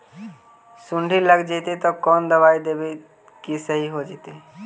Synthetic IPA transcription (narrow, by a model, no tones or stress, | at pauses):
suɳɖʱiləɡd͡ʒɛt̪et̪ɔkɔnd̪əβaid̪ebe | kisəɦiɦod͡ʒɛt̪e